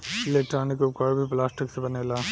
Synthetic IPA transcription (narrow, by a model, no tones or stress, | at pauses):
leʈɾaːnikːɐkaːɭbiplaːsʈiksbɐnelɐ